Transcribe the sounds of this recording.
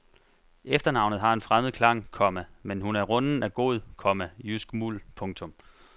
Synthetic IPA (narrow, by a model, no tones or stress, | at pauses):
efd̥ɐnɑ̈ʊnð̩ˠɦɑ̈e̝nfʁaməð̩ˠkʰlɑ̈ŋ̰kʰɒ̽mæmenɦunæɐʁɔ̽nn̩æɡ̥o̝ð̩̰ˠkʰɒ̽mæjysɡ̥mulpʰɔ̽ŋt͡sʰɔ̽m